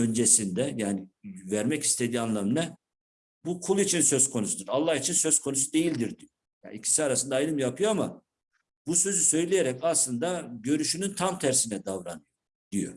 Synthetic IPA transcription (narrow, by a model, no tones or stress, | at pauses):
ø̞nd͡ʒesind̪ɛjaːnivæɾmɛci̥st̪ʰe̞d̪iːanlˠamnɛ | bukʰulˠit͡ʃʰinsø̞zkʰo̞nusud̪iɾalˠːahit͡ʃʰinsø̞z̥kʰo̞nusud̪e̞jilʲd̪iɾd̪ijo | ja̰ːicʰi̥siaɾasɯnd̪aːjlɯmjapʰɯjoama | busø̞zysø̞jlʲejeɾɛcaslˠɯnd̪aɟø̞ɾyʃynynt̪ʰamt̪ʰæɾsinɛd̪avɾanɯjo | d̪̥ijo̰